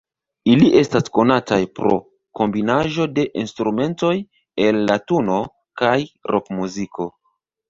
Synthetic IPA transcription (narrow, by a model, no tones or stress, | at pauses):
iliʔe̞stasko̞natajpɾo̞̰ | ko̞mbinaʒo̞de̞ʔinstɾume̞nto̞j | e̞lːatuno̞ | kajɾʔo̞kmuziko̞